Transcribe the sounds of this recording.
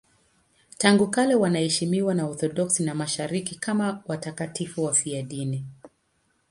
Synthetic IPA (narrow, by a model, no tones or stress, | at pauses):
taŋɡukalɛwanahɛʃimiwanaɔθɔɗɔksinamaʃaɾikikamawatakatifuwafiaɗini